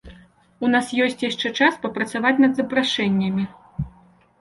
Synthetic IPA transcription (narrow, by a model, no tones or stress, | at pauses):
unasjɔsʲt͡sʲjaʂt͡ʂɛt͡ʂaspɐpɾɐt̪savat͡sʲnɐd̪zɐpɾaʂɛnʲːɐmʲi